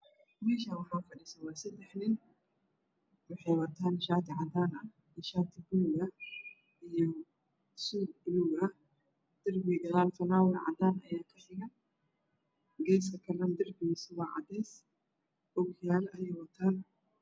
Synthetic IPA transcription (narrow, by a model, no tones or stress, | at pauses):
mɛːʃawɑħaʊfɐɗɪsɐwɑːsɐt̪ɛħnɪn | wɑħɛjwɐt̪ʰaːnʃaːt̪ʰɪʕɑd̪aːnɐ | ʃaːt̪ʰɪbʊlɡɐ | ʔijɔ | suːɡɪluːɡɐ | d̪̥ɐrbɪɡɐlaːlfɐnaːwɐlʕɑ̰d̪aːnɐjaːkʰɐsɪɣɐn | ɡɛːs̬kʰɐkʰɐlɐnd̪ɐrbɪjsɪwaʕɑ̰d̪ɛːs | ʔʊɡɪjaːlɐjɛjwɐt̪ʰaːn